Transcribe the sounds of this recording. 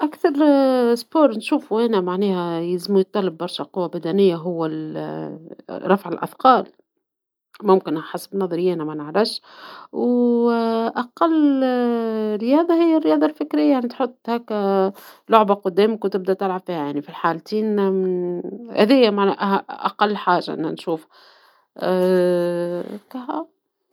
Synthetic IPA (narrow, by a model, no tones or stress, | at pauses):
ʔækθɑɾˤspoːɾˤnʃuːfuʔænæmaʕnɛːhæjɪzmujt̪ˤːɑlːɑbːɑɾˤʃaqʊwːabæd̪ænɪjːaɦʊwːæl | ɾˤɑfʕɪlʔa̰fqɑːl | mʊmkɪnħasbnɑðˤɑɾɪjːænæmænaʕɾˤɑʃw | ʔaqɑlː | ɾːɪjɑːd̪ˤɑhɪjːærːɪjɑːd̪ˤɑlfɪkɾɪjːajaʕnit̪ħot̪ˤːhæk | lʊʕbaqʊd̪ːæːmɪkwt̪ɪb̚d̪æt̪ɪlʕabfiːhajaʕnifilħaːlt̪iːn | hæ̰d̪æjːæmaʕnæʔʔa̰qɑlːħaːʒa̰ʔɪ̰nːæ̰nʃuːf | kæɦæ